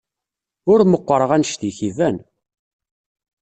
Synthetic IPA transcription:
ʊɾməqʷːəɾˤəʁænʃt̪içivæn

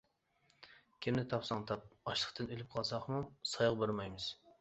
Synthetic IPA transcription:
kʲʰemnɪt̪ʰɑpsɑŋt̪ʰɑp̚ɑʃlˠəχt̪ʰɨnølyp̚qʰɑlˠsɑχmumsɑjʁbøɾmɑjmɨz̥

